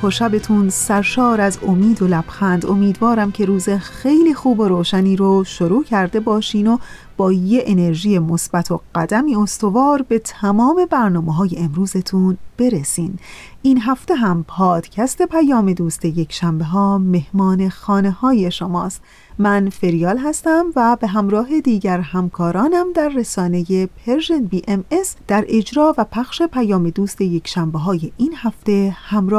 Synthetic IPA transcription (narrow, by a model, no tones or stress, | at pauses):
pʰoɾʃæbe̞t̪ʰunsæɾʃɒːɾæzomiːd̪olæb̥xænd̪o̞miːd̪vɒːɾæmcʰe̞ɾuːzexe̞jliːxuːboɾoːʃæniːɾoʃoɾuːcʰæɾd̪e̞bɒːʃiːno̞ | b̥ɒːjeʔene̞ɾʒiːje̞mo̞sb̥æt̪ʰo̞ɢ̥æd̪æmiːo̞st̪o̞vɒːɾbe̞t̪ʰæmɒːme̞bæɾnɒːmeɦɒːje̞emɾuːzet̪ʰunb̥e̞ɾesiːniːnɦæft̪e̞ɦæmpʰɒːd̪̥cʰæst̪e̞pʰæjɒːme̞d̪uːst̪e̞je̞kʰʃæmbe̞ɦɒːme̞hmɒːne̞xɒːne̞hɒːje̞ʃomɒːst̪ | mænfe̞ɾijɒːlɦæst̪æmvæbe̞ɦæmɾɒːɦe̞d̪iːɟæɾhæmkʰɒːɾɒːnæmd̪æɾːesɒːne̞je̞pʰeɾʒenbiːʔemesd̪̥æɾe̞d͡ʒɾɒːvæpʰæxʃe̞pʰæjɒːme̞d̪uːst̪e̞je̞cʰʃæmbe̞ɦɒːje̞ʔiːnhæft̪e̞hæmɾɒː